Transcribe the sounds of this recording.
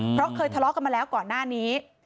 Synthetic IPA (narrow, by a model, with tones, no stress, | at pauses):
pʰɾɔ˦˥kʰɤː˧jt̪ʰa˧lɔ˦˥ka˧nmaː˧lɛː˦˥wkɔː˨˩nːaː˥˩niː˦˥